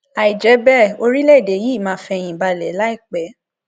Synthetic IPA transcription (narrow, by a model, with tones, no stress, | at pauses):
a˨i˨d͡ʒɛ˨˦bɛ˦˨o˧ɾi˦lɛ˦˨de˨˦ji˦˨mãː˧˦fɛ˧j̃ĩ˨ba˧lɛ˨˦la˦i˦˨k͡pɛ˨˦